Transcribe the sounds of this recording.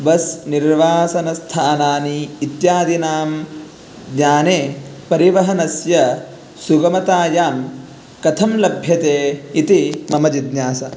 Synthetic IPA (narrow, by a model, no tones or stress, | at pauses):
bɐsniɾʋaːsɐnɐst̪ʰaːnaːniːt̪jaːd̪inaːm | ɡɲaːneːpɐɾiʋɐɦɐnɐsjɐ | suɡɐmɐt̪aːjaːn | kɐt̪ʰɐmlɐbʱjɐt̪eːit̪imɐmɐd͡ʒid̪ɲaːsɐ